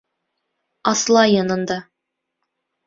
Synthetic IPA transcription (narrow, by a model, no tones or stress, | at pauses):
ɑslˠɑjɑnɤ̆nd̪ɑ